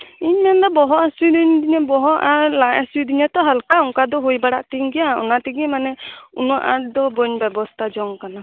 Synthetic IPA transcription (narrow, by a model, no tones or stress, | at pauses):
iɲmand̪ɔbɔɦɔasujd̪ind̪iɲɔbɔɦɔaɾlajasujd̪iɲɔt̪ɔɦalkaɔŋkad̪ɔɦojbaɽaʔt̪iŋɡijaɔ̰nat̪iɡimanɛunɔʔa̰ɾd̪ɔbɔɲbɛbɔst̪ʰad͡ʒɔŋkana